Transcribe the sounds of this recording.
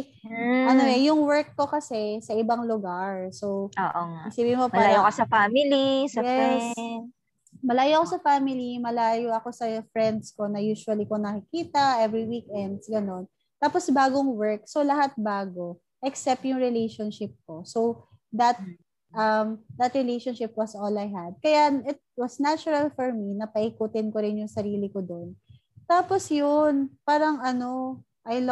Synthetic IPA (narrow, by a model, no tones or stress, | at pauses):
ʔɐnoɛjʊŋwɛɹkːo̞kɐsɛsɐʔɪbɐŋlʊɡaɹsowoʔoɪɡsiːbɪɪmopaːlːokosɐfamɪlisjɛs | mɐlaːjoʔɐkosɐfamɪlimɐlaːjoɐko̞sɐfɹɛnd̪sko̞nɐjuːʃʊɐlikonɐkɪkiːt̪ɐʔɛvɹiwikʔɛnd̪sɡɐno̞n | t̪aːposbaːɡoŋwɛɹk̚solɐɦat̪̚baːɡo̞ | ʔɛksɛp̚t̪jʊŋɹɪlejʃonʃɪp̚ko̞sow | d̪ɐt̪̚ | ʔɐmd̪ɐt̪ɹɛlejʃonʃɪp̚wɐsʔolɐjɦɐd̪̚kɐjaʔʔɪt̪̚wɐsnat͡ʃʊɹɐlfɔɹminɐpɐʔɪkuːt̪ɪnkoɾɪnjʊŋsɐɾiːlɪkod̪on | t̪aːposjʊnpaːɾɐŋɐno̞ | ʔɐjl